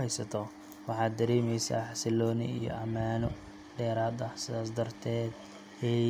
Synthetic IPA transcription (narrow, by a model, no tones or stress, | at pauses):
hɛjsɐt̪ʰɔ | wɑħɑːd̪ːɐɾiːmɛjsɐ̰ːħɑsɪlɔːnɪ̰ḭjɔ̰ʔɐmaːnɔ | ɖɛːɾaːd̪ɐsɪðaːsd̪ɐrt̪ʰɛːd̪ | ɛ